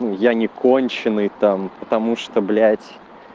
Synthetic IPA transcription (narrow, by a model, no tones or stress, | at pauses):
nujanʲɪkʰonʲt͡ɕɪnɨjt̪ampət̪ɐmuʂt̪oblʲætʲ